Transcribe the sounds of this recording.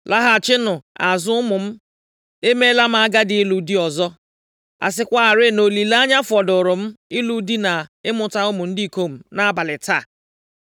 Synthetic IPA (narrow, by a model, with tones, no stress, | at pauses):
lʔa˦ɦa˨t͡ʃɪ˦nʊ˨a˨zʊ˦ʊ˦mʊ˨m̩˦ | e˦me˦la˦m̩˦a˦ɡa˦dɪ˨i˦lu˨di˦ɔ˨zɔ˦ | a̰˨s̬ɪ˦kʷa˦a˨ɾe˦˨no˨li˨la˦a˦ɲa˦fɔ˨dʊ˨ɾʊ˨m̩˦ɪ˦lu˨di˦na˨ɪ˦mʊ˨ta˦ʊ˦mʊ˨n̩˦di˦i˨ko˦m̩˨na˦a˦ba˨lɪ˨ta˦˨